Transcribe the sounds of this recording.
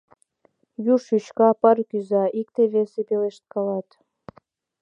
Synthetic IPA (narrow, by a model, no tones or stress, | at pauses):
juʃyt͡ɕkɑpɑrkyzɑʔik̚t̪eβesepeleʃt̪̚kɑlɑt̪